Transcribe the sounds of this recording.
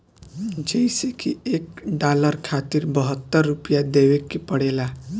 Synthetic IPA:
d͡ʒəjsekiekɖaləɾkʰat̪iɾbəɦət̪ːəɾːupjad̪ewekːepəɽela

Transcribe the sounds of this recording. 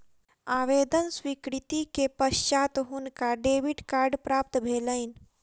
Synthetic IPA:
aːʋed̪ənswikɾit̪ikepəʃt͡ʃat̪ɦunkaɖeːʋiʈkaːɾɖpɾaːp̚t̪bʱeːləɪn

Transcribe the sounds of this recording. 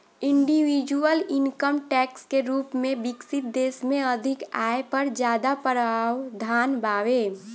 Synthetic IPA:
ɪ̃ɳɖiwid͡ʒuəlɪnkəmʈɛːkskeɾuːpmẽbɪksɪt̪̚d̪eːsmẽəd̪ʱɪkaːepəɾd͡ʒjaːd̪apəɾaːwd̪ʱaːnbaːweː

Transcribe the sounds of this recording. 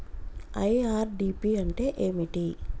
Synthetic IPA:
ɐjaːɾɖiːpiːɐɳʈe̞ːʔeːmiʈi

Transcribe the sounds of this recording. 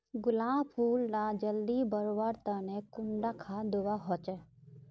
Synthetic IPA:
ɡʊlaːmpʰuːlnad͡ʒəld̪ibəɾʋaɾt̪anekʊɳɖakʰad̪uʋaɦɔt͡ʃɛ

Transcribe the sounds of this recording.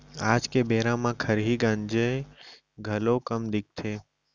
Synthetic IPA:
aːd͡ʒkebeːɾãmãkʰəɾɦiɡãːnd͡ʒə | ɡʱəlokəmd̪ɪk̚t̪ʰeː

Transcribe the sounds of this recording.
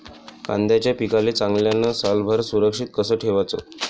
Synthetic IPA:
kã̰nd̪jat͡ɕjapikaleːt͡sãŋɡljanəsalbʱəɾsuɾəkʂiːt̪̚kəsəːʈʰeʋat͡so̰

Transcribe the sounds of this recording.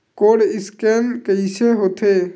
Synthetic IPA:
koːɽɪskeːlkəiseɦoːt̪ʰeː

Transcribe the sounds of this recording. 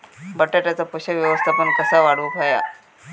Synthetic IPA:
bəʈːaʈ̪at͡sapəɕəʋjəʋəst̪ʰapəɳkəsaʋaɽʋupʰaja̰

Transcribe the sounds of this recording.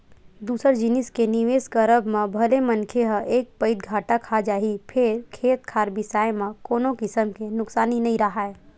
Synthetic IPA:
d̪uːsəɾd͡ʒɪnɪskeniʋeːskəɾəbmẽbʱəlemənkʰeɦəʔeːk̚pəɪd̪̚ɡʱaːʈakʰad͡ʒaːɦipʰɪɾkʰeːt̪̚kʰaːɾbɪsaːemãkoːnokɪsəmkenʊksaːninɐĩɾɐɦaɛː

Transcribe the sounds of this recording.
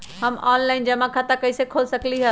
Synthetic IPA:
ɦəmanlaɪnd͡ʒəmãkʰãt̪akəisekʰolsəkliɦə

